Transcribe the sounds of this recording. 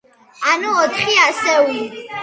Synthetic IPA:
anuɔt̪χiasɛwi

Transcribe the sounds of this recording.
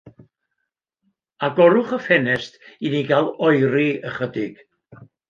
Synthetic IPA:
aɡɔɾʊχəfɛnɛstiniɡalˠɔjɾiəχədɪɡ̥

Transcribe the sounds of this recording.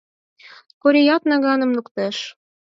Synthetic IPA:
koɾʲijɑt̪nɑɣɑnɤ̆mnukt̪eʃ

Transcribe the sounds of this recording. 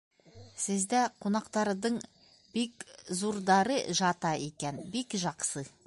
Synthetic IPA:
sɪzd̪æqʰonɑqt̪ɑɾd̪əɴ | bekzuɾd̪ɑɾəʒɑt̪ɑikʲenbekʒɑqsə

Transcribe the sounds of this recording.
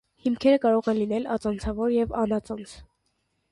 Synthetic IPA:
himkʰɛɾəkɑɾɔʁɛnlinɛlɑ̰t͡sɑnt͡sʰɑvɔɾjɛvɑnɑt͡sɔnt͡sʰ

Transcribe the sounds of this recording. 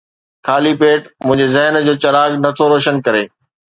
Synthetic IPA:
kʰaːlipeːʈmʊ̃ɦɪ̃ɲd͡ʑezɐɦnd͡ʑoːt͡ɕɐɾaːɡnɐt̪ʰoɾoːʃənkɐɾeː

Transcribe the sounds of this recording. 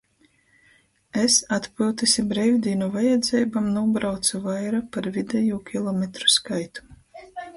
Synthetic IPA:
esat̪pʲilˠt̪isʲibɾɛjwʲd̪ʲiːnɔvajɛd̪zʲɛjbamnuɔbɾawt̪suvajɾapaɾvid̪ɛjuːkʲilˠɔmɛt̪ɾu̥skajt̪u̥

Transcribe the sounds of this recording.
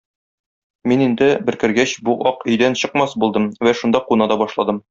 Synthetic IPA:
minind̪ɘbɘ̆ɾkɘ̆ɾɡæɕbuʔɒqɵ̆jd̪ænɕɤ̆qmɑsbulˠd̪ɤmwæʃund̪ɑqunɑd̪ɒbɒʃlˠɑd̪ɤm

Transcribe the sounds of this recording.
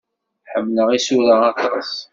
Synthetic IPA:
ħəmːləʁisuɾəɑt̪ˤɑs

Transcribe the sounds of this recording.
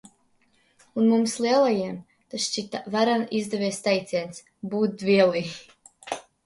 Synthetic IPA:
unmumslˠiɛlˠajiɛm | t̪asʃt͡ʃit̪avaɾanizd̪ɛvʲiɛst̪ajt̪sʲiɛns | buːt̪̚d̪vʲiɛlˠi

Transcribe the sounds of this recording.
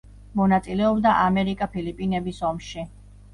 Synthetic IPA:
mɔnat̪sʼilɛɔbd̪aʔamɛɾikʼapʰilipʼinɛbisɔmʃi

